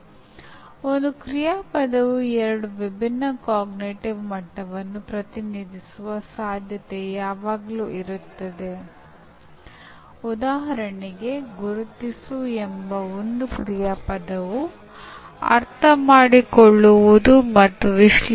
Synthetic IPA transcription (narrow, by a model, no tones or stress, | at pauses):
ond̪ukɾijaːpɐd̪ɐʋuɛɾɐɽuʋibʱinːɐkaːɡniʈiʋmɐʈːɐʋɐnːupɾɐt̪iniːd̪ʱisuʋɐsaːd̪ʱjɐt̪ejaːʋaːɡɐluːiɾut̪ːɐd̪e̞ | ud̪aːɦɐɾɐɳiɡe̞ɡuɾut̪isuembɐond̪ukɾijaːpɐd̪ɐʋu | ɐ̰ɾt̪ʰɐmaːɽikoɭːuʋud̪umɐt̪ːuʋiʂl